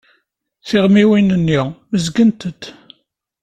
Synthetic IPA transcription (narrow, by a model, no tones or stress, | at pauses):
θɪʁmiwinənːiməzɡənt̪əd̪